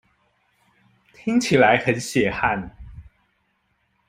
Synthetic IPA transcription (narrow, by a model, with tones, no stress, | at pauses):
t̪ʰi˥ŋt͡ɕʰi˨˩la˨˦ɪxə˨˦nɕjɛ˨˩xa˥˨n